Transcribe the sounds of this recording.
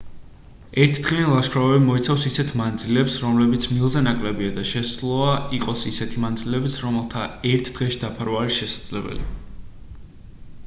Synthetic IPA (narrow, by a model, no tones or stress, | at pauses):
ɛɾt̪ʰd̪̥ʁianlˠaʃkʰɾavɛbimɔit̪sʰafsisɛt̪ʰmand̪zilɛpsɾɔmlɛbit̪sʰmilˠzɛnakʼlɛbiad̪aʃɛszlˠɔaiqʼɔsisɛt̪ʰimand̪zilɛbisɾɔmɛlˠt̪ʰaɛɾt̪ʰd̪̥ʁɛʃid̪apʰaɾvaːɾisʃɛsad̪z̥lɛbɛ̰lḭ